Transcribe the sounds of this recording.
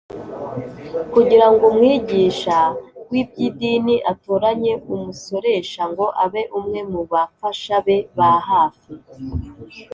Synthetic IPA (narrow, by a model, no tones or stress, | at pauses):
kuɟiɾaŋɡomŋiːɟiːʃawib̚ɟidiːniʔatoɾaɲe̞ʔumuso̞ɾe̞ʃaŋɡo̞ʔaβe̞ʔumŋe̞muβafaʃaβe̞βaɦaːfi